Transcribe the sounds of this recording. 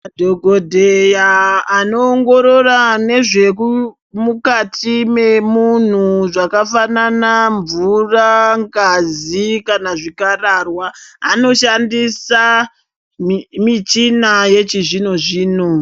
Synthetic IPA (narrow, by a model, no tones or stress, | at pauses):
adʱo̞ɡʱodʱejaːno̞ːŋɡo̞ɾo̞rane̞ʐe̞ku | mukatʰime̞mun̤uʐakafananaɱvuraŋɡazikanaʐikararwaːno̞ʃandisa | mit͡ʃinaje̞t͡ʃiʐino̞ʐiːno